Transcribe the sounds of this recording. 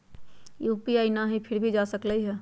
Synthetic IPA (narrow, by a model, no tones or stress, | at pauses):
juːpiaːinaɦipʰɪɾbʱid͡ʒasəkləiɦɛː